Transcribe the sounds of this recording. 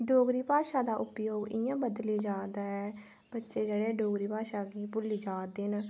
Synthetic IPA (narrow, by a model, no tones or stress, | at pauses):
ɖoːɡɾiːpaːʃaːd̪aːʔʊpjoːɡɪjãːbəd̪liːd͡ʒaːd̪aːɛː | b̥ətːʃeːd͡ʒeːɽeːɖoːɡɾiːpaːʃaːɡiːpʊliːd͡ʒaːd̪eːn